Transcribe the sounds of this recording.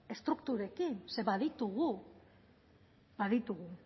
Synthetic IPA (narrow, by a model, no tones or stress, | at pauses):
e̞st̪ɾukt̪uɾe̞kinse̞βaðit̪uɣu | baðit̪uɣu